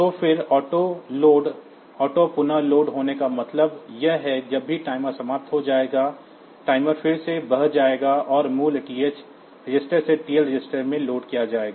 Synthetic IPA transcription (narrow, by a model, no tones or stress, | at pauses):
t̪oːfɪɾɔːʈoloːɖ | ɔːʈopʊnəloːɖɦoːnekamɐt̪ləbjɐɦɦɛd͡ʒɐbʱːiʈaːɪmasɐmaːp̚t̪ʰɦod͡ʒaːeːɡa | ʈaːɪməɾfʰɪɽsebɐɦd͡ʒaːeːɡaʔɔːɾmuːlʈiːet͡ʃ | ɾɪd͡ʒɪsʈəɾseʈiːjəlɾɪd͡ʒɪsʈəɾmẽloːɖkijad͡ʒaːeːɡaː